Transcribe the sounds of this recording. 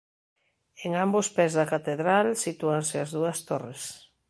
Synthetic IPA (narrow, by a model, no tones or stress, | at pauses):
eŋãmbospɛzðɐkat̪eðɾalsit̪uaŋseazðuɐst̪ores